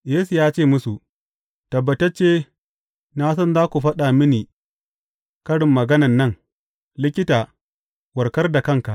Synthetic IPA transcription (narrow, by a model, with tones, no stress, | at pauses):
jeː˦su˨jaː˦t͡ʃeː˦˨mʊ˦su˨ʔ | tɐ˨bːɐ˨tɐ˦t͡ʃːeː˦ | naː˦sɔ˦nzaː˦kʷu˨ɸɐ˦ɗa˨mɪ˦niː˨ | kɐ˦ɽɪ˨mːɐ˨ɡɐ˦nɐ˨nːɐ˦ŋ | lɪ˦kʲɪ˦taː˨ | wɐ˨kɐ˦rda˨kɐ˦ŋka˨ʔ